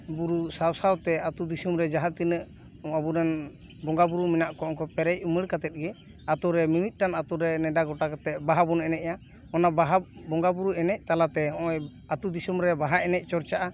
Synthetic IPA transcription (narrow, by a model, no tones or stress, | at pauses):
buɾusawsawt̪ɛat̪ud̪isumɾɛd͡ʒaɦat̪inəʔ | ɔmabuɾɛn | bɔŋɡabuɾuminaʔkɔɔŋkɔpɛɾɛc̚uməɽkat̪ɛt̪̚ˀɡɛ | at̪ɔɾɛmimit̪̚ˀʈanat̪uɾɛnɛɖaɡɔʈakat̪ɛt̪̚baɦabunɛnɛʔja | ɔnabaɦab̚bɔŋɡabuɾuɛnɛc̚t̪alat̪ɛɔɔj | at̪ud̪isumɾɛbaɦaʔɛnɛc̚ˀt͡ʃɔɾt͡ʃaʔa